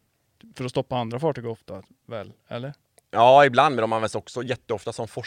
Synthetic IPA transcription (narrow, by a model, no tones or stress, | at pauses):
fœɾɔst̪ɔpːaand̪ɾafɑːʈyːɡɔft̪a | vɛ̰lːɛ̰lːəɾ | jɑːɪbland̪mɛdɔmanvɛnsɔksɔjɛt̪ːəɔft̪asɔmfɔ